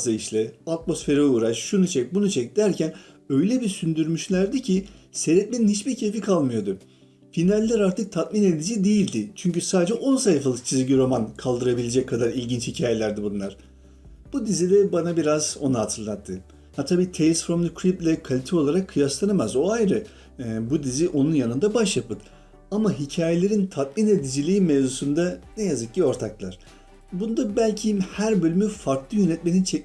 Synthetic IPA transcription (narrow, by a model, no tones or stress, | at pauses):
aiʃlʲɛat̪̚mo̞sfe̞ɾɛuːɾaʃʃunut͡ʃʰec̚bunut͡ʃʰec̚d̪æɾcʰæn | ø̞jlʲɛbiɾsynd̪yɾmyʃlʲæɾd̪icʰise̞ɾɛt̪̚meninhit͡ʃbiɾcʰe̞fikʰalˠmɯjo̞d̪ʊ | finalʲːæɾaɾt̪ʰɯk̚t̪ʰat̪̚mine̞d̪id͡ʒiːd̪ejilʲd̪ɪt͡ʃʰyɲcysaːd̪ed͡ʒɛʔo̞nsajfalˠɯk̚t͡ʃʰizɟʲiɾo̞mankʰalˠd̪ɯɾabilʲe̞d͡ʒɛc̚kʰːad̪aɾilʲɟint͡ʃhicʰaːje̞lʲæɾd̪ibunlˠaɾ̥ | b̥ud̪izid̪ʲɛbanabiɾazo̞̰nuɦat̪ʰɯɾlˠat̪ʰːɯ | hat̪ʰabiːt̪ʰelʲisfɾomd̪ɯkʰɾiplʲɛkʰalʲit̪ʰɛo̞lˠaɾakʰːɯjaslˠanamazo̞ajɾɯ | bud̪iziʔo̞nunjanɯnd̪abaʃjapɯd̪ | amaɦicʰaːjelʲe̞ɾint̪ʰat̪̚minvɛd̪izilʲiːmevzusund̪anɛjazɯk̚cio̞ɾt̪ʰaklˠaɾ̥ | bund̪abælʲcʰimhæɾbø̞lʲymyfaɾklˠɯjønɛt̪̚menint͡ʃʰɛ